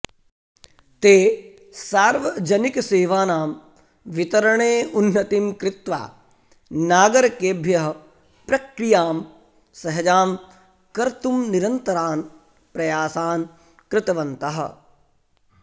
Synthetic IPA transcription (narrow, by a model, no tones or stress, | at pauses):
t̪eː | saːɾʋɐd͡ʒɐnikseːʋaːnaːm | ʋit̪ɐɾɐɳ̃eːunːɐt̪imkɾɪt̪ʋa̰ː | naːɡɐɾɐkeːbʱjɐɦɐ | pɾɐkɾijaːm | sɐɦɐd͡ʒaːm | kɐɾt̪umniɾɐnt̪ɐɾaːn | pɾɐjaːsaːn | kɾɪt̪ɐʋɐnt̪ɐɦɐ̰̆